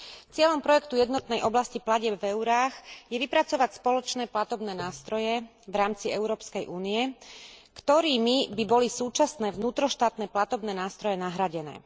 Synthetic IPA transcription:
t͡sɪɛʎɔmpɾɔjɛkt̪ujɛd̪nɔt̪nɛjʔɔblasciplaɟɛbvɛuɾaːxjɛʋipɾat͡sɔʋacspɔlɔt͡ʃnɛːplat̪ɔbnɛːnaːst̪ɾɔjɛ | vɾaːmt͡siɛʊɾɔːpskɛjʔuːniɛkt̪ɔɾiːmibibɔlisuːt͡ʃasnɛːʋnuːt̪ɾɔʃt̪aːt̪nɛːplat̪ɔbnɛːnaːst̪ɾɔjɛnaɦɾaɟɛnɛ̰ː

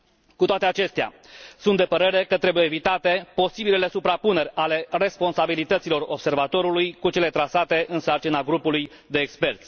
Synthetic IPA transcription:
kut̪oat̪e̞at͡ʃe̞st̪ea̰ | sund̪e̞pəɾe̞ɾe̞kət̪ɾe̞bujeevit̪at̪e̞po̞sibilele̞supɾapune̞ɾʲale̞re̞spo̞nsabilit̪ət̪silo̞robse̞rvat̪o̞ɾulujkut͡ʃe̞le̞t̪ɾasat̪e̞ʔɨnsart͡ʃinaɡɾupuluj | d̪e̞ːkspe̞rt̪sʲ

